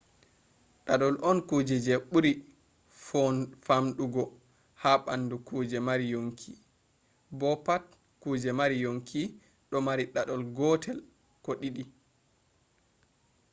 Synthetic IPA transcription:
ɗaɗɔlʔɔnkuːd͡ʒɛd͡ʒeɓuɾi | famɗuɡɔ | haɓandukuːd͡ʒɛmaɾijoŋkʰi | bɔpat̚ | kuːd͡ʒɛmaɾijoŋkʰi | ɗɔmaɾiɗaɗɔlɡɔtʰɛl | koɗiɗi

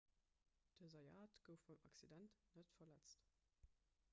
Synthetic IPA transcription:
d̥əzɑjaːtɡ̥əʊffɔmaksidɛntnətfɐlɛt͡st

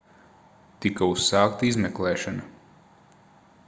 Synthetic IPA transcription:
t̪ikaussɑːk̚t̪izmɛklˠɛːʃana

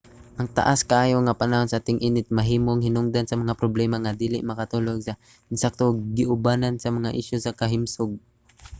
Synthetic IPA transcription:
ʔɐŋt̪a̰ʔaskaʔaːjoŋapanaɦonsaʔaːt̪ɪŋʔiːnɪt̪̚mɐɦiːmoŋhɪnʊŋd̪ansɐmɐŋapɾoblɛːmaŋad̪iːlɪʔmɐkat̪uːloɡsa | ɪnsak̚t̪oɡɪʔʊbanansɐmɐŋaʔɪʃjosɐkɐɦɪmsʊɡ̚

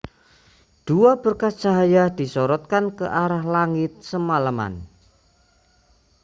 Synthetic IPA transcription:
d̪̥uab̥ərkasd̥ʒ̥a̤ɦajad̪̥isɔɾɔt̪̚kankəʔaɾahlaŋɪt̪̚səmalama̰n

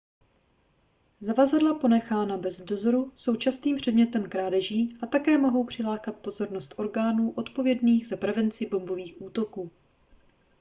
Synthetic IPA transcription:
zavazadlapo̞nɛxaːnabɛzdo̞zo̞ɾuso̞wt͡ʃasniːmpr̝̥ɛdɲɛt̪ɛmkɾaːdɛʒiːʔat̪akɛːmo̞ɦo̞wpr̝̥ɪlaːkat̪̚po̞zo̞ɾnost̪ʔo̞ɾɡaːnuːʔo̞t̪po̞vjɛdniːɣzapɾɛvɛnt͡sɪbo̞mbo̞viːxʔuːt̪o̞kuː

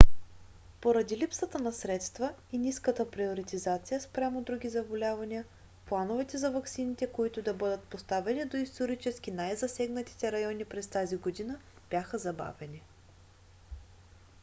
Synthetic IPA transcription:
poɾɐd̪ilipsət̪ənɐsɾɛt̪st̪vəiniskət̪əpɾioɾit̪izat̪sijəspɾʲamod̪ɾuɡʲizɐbolʲavɐniə | plˠanovɛt̪ɛzɐvɐksinit̪ɛkoit̪ʊd̪ɐbɤd̪ət̪̚post̪avɛnid̪oist̪oɾit͡ʃɛsk̟ʲinajzɐsɛɡnət̪i̥t̪ɛɾɐjɔnipɾɛst̪aziɡod̪inəb̥jaxəzɐba̰vɛni

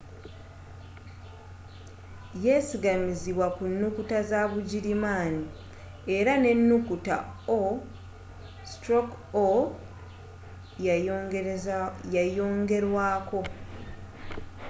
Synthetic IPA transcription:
je̞siɡamiziβwakunːukutazaβuɟiɾimaːni | e̞ɾane̞nːukuta̰o | stɾok | o | jajo̞ːŋɡe̞ɾwaːko̞

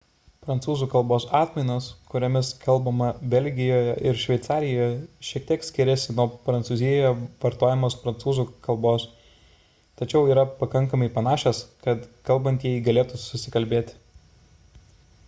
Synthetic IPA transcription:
pɾɐnt̪suːzuːkɐlˠboːsɑːt̪ʲmʲɛɪnoːskʊɾʲoːmʲɪskɐlˠbɐmɐbʲɛlʲɡʲɪjoːjɛʔɪɾʃʲʋʲɛɪt̪sɑːɾʲɪjoːjɛʃʲiɛk̚t̪ʲiɛksʲkʲɪɾʲɛsʲɪnuɔpɾɐnt̪suzʲɪjɛjoʋɐɾt̪oːjɛmoːspɾɐnt̪suːzuːkɐlˠboːs | t̪ɐt͡ʃʲɛʊiːɾɐpɐkɐŋˑkɐmɐɪpɐnɑːʃʲɛskɐt̪kɐlˠbɐnʲt̪jɛɪɡɐlʲeːt̪usʊsʲɪkɐlʲbʲeːt̪ʲ

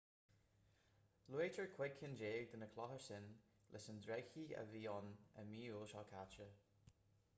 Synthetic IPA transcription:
luet͡ʃəɹkʰw̥ɪɡʰɪnd͡ʒeːɡ̚d̪ənəkʰlɔhəɹsɪn | lʔɪsəndɹɛɡçiə̰viːɔnə̰miːulˠʃakʰat͡ʃə

